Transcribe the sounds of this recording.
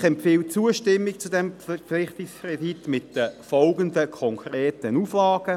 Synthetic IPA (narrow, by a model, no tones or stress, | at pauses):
χɛmfiːlt͡suəʃtɪmːɪkt͡sudɛmflɪχtɪkskʰreditmɪtd̥əfɔlɡəndəkʰɔŋkʰreːtənuːflɑːɡ̥ə